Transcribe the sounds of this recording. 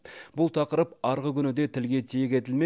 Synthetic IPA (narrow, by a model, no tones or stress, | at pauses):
b̥ʊlˠt̪ʰɑqəɾəpɑɾʁəkʲʰʏnɪd̪e̞t̪ʰɪlɡʲe̞t̪ʰejekʲe̞t̪ɪlme